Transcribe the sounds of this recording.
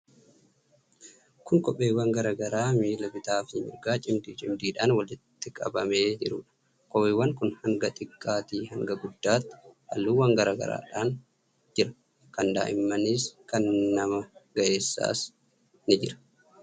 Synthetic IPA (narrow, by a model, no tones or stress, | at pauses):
kʊŋkʼɔpʼːeːwːɐŋɡɐɾaːɡɐɾaːmiːlɐbɪt̪aːfɪɲɪɾɡaːt͡ʃʼɪmd̪iːt͡ʃʼɪmd̪iːᶑaːnwɐlɪt̪ːɪkʼɐ̰bɐme̞ːd͡ʒɪɾʊːᶑɐ̥ | kʼɔpːɪwːɐŋkʊnhɐŋɡɐt̪ʼɪkʼːaːt̪iːhɐŋɡɐɡʊd̪ːaːt̪ːɪ̥ʔɐ̰lːuːwɐŋɡɐɾaːɡɐ̰ɾa̰ːᶑaːn | d͡ʒɪɾɐ | kɐnd̪a̰ːʔɪmːɐniːskɐnːɐmɐɡ̥ɐʔe̞ːsːa̰ːs | nɪd͡ʒɪɾɐ̥